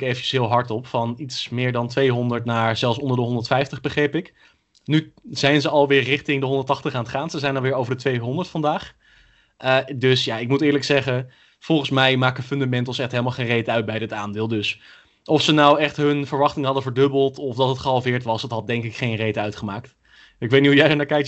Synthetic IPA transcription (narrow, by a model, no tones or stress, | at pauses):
kejvəə̥sɦɪːlˠɦɑɹtɔpfɑnitsmɪːɹdɑntʋejɦɔndəɹtnaːɹz̥ɛlˠsɔndəɹdəɦɔndəɹtfɛjftəχbəχrejpɪk | nyz̥ɛjnzəɑlˠʋɪːɹrɪχtɪŋdəɦɔndəɹtɑχtəχaːntχaːnsəzɛjnɑlwʋɪːɹowvəɹdətʋejɦɔndəɹtfɑndaːχ | ədɵsjaɪk̚mutɪːɹləksɛχə | fɔlˠχənsmɛjmaːkəfʏndamɛntəlˠsɛχtɦejləmalˠχejnrejtəœɥt̚bɛjdɪtaːndɪːlˠdɵs | ʔɔfsənawɛχtɦɵnv̥əɹʋɑχtɪŋəɦɑdənvəɹdɵbəlˠtɔfdɑtətχəɦɑlˠvɪːɹtʋɑsətɦɑt̚dɛŋkɪkχejnrejtəœɥtχəmaːkt | ɪkʋejtniɦujɛjdənaːɹkɛjk